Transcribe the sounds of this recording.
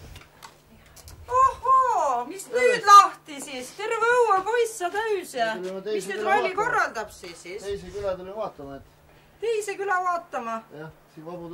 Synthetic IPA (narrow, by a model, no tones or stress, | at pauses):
ɑhomisnyːd̪̥lɑht̪isist̪e̞rveowɑpo̞jsːɑt̪æysjɑt̪emisnyd̪vɑliko̞rːɑld̪ɑb̥sisisejsekylɛt̪ulivɑːt̪ːˑɑmɑet̪ː | t̪ejsekylɑvɑːt̪ˑːɑmɑjɑsinvɑbu